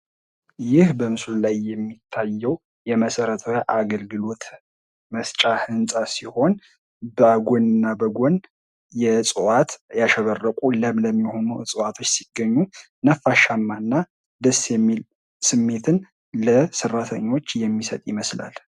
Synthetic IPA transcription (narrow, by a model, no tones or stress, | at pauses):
jɪhbəmɨslulajːɛmːit̪ʰːajːɛw | jɛməsəɾət̪ʰəjaʔaɡəlɡɨlo̞t̪ | məst͡ʃʼahɨnsʼasiho̞n | bəaɡonɨnːabəɡon | jɛsʼɨwat̪jaʃɛβərːəkʷʼuləmləmːiho̞nusʼɨwat̪ʰo̞t͡ʃːsiɡ̥ːəɲːu | nəfːaʃamːanːa | d̪əsjɛmːil | sɨmːe̞t̪ʰɨn | ləsərːat̪ʰə̰ɲːo̞t͡ʃːjɛmːisə̰t̪ʼjɪməsla̰l